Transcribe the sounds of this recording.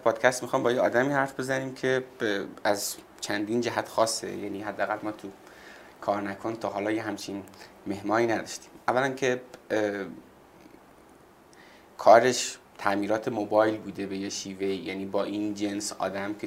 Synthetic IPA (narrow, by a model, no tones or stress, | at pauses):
pʰɒːd̪̥cʰæst̪mixɒːmbɒːjeɒːd̪æmiːhæɾfbezæniːmcʰe̞ | æz | t͡ʃʰænd̪iːnd͡ʒæɦæt̪xɒːsːḛjæ̰ːniːɦæd̪ːeææɣælmɒːt̪ʰu | kʰɒːɾnækʰo̞nt̪ʰɒːɦɒːlɒːjeɦæmt͡ʃʰin | me̞hmɒːniːnæd̪ɒʃt̪i̥ːmʔævːælænkʰe̞ | kʰɒːɾe̞ʃt̪ʰæʔmiːɾɒːt̪ʰemobɒːjlbuːd̪e̞be̞jeʃiːve̞ijæniːbɒːʔiːnd͡ʒensɒ̰ːd̪æmkʰe